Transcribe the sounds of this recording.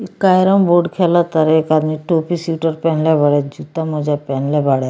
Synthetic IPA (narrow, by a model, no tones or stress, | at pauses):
ikajɾəmboɾɖkʰɛlat̪aɾekad̪miːʈopisuʈəɾpɛɳljabaɽjad͡ʑut̪amɔd͡ʑapɛnlabaɽj